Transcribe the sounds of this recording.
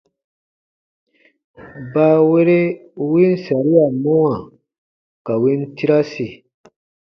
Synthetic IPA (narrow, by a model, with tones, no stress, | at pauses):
baː˦we˦ɾe˦wi˦n˦sa˨ɾi˦a˨mɔ˦wa˨ | ka˨wi˦nti˦ɾa˦si˨